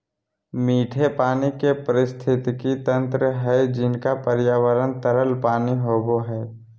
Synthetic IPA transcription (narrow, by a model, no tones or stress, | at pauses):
miːʈʰepaːnikepəɾɪst̪ʰɪt̪kit̪ə̃nt̪ɾəɦɛd͡ʒɪnkapəɾjaːwəɾənt̪əɾəlpaːniɦoːboɦɛː